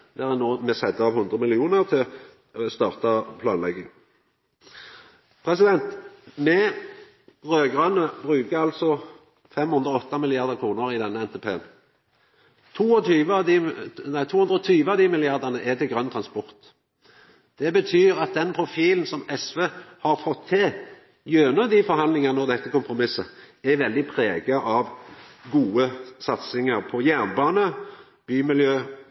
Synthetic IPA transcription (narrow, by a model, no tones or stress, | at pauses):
d̪æʁɛnoːmɛsɛd̪əɑʋhʉnd̪ʁəmɪlɪuːnəʁt̪ʰɪl | st̪ɑːʁt̪ɑpʰlɑːnlɛɡːɪŋ | pʰʁɛsɪd̪ɛnt̪mɛ | ʁøːɡʁœnəbʁʉːkəɑlt̪sɔ | fɛmhʉnd̪ʁəɔt̪ːɑmɪlɪjɑʁd̪əkʰʁuːnəʁɪd̪ɛnːəɛnt̪eːpʰeːən | t̪ʰuːɔt̪ʰyːʋəd̪inæɪt̪ʰuːhʉnd̪ʁɔt̪ʰyːʋəɑʋd̪iːmɪlɪɑʁd̪ənəʔɛt̪ɪɡʁœnt̪ʰʁɑnspɔʁt̪ | d̪̥ɛbət̪ʰyːʁɑt̪̚d̪ɛnpʰɾʊfiːln̩sɔmɛsʋeːhɑʁfɔt̪ʰːɪ | jøːnəd̪ifɔɾɦɑnd̪lɪŋɑnɔʁd̪ɛt̪ːəkʊmpʁʊmɪsə | ɛʋɛld̪ɪpʰɾeːɡəʔɑʋɡuːəsɑt̪sɪŋəʁpʰɔjænbɑːnə | b̥yːmɪljøː